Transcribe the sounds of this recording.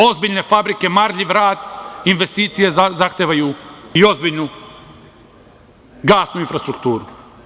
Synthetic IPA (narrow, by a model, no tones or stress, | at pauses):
o̞zbiʎne̞fabɾike̞maɾʎiʋɾaːd̪inʋe̞st̪iːt̪sijezaxt̪eʋajuio̞zbiʎnu | ɡaːsnuinfɾast̪ɾukt̪uːɾu